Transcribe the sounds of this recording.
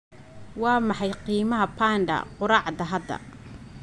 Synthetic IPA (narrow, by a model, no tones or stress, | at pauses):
wɑːmɑħɑjqiːmɐɦɐpʰaːnɖɐ̰qʊɾɑːʕd̪ɐɦɐd̪ɐ̰